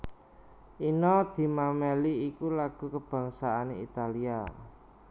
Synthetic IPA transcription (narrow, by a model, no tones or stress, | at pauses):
ʔinɔd̪̥i̤mameliikulaɡ̥ṳkəb̥a̤ŋsaaneḭt̪alia